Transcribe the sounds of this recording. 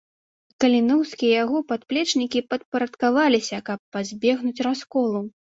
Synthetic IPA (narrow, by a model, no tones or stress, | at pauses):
kɐlʲinɔwsʲkʲijɛjaɣɔpat̪̚plʲɛt͡ʂnʲikʲipɐt̪̚pɐɾɐt̪kavalʲisʲɐkɐpːazʲbʲɛɣnut͡sʲraskɔlˠu